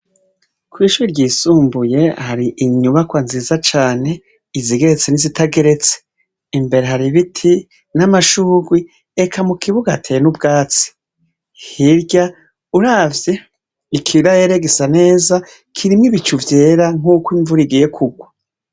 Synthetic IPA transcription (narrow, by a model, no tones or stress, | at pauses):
kwiːʃuɾiɾɟiːsuːmbuje̞haɾiʔiɲuβakwanziːzat͡ʃaːne̞ | iziɡe̞ɾet͡se̞nizitaɡeɾe̞t͡se̥ | imbe̞ɾe̞ɦaɾiβitʰi | namaʃuːɡwi | ekʰamukʰiβuɡatʰenubɡaːt͡si̥ | hiɾɟa | uɾaːvje | ikʰiɾajeɾeɡesane̞ːza | kʰiɾimŋiβit͡ʃuvje̞ːɾaŋ̥uːkwiɱvuɾiɡije̞kʰuɡwa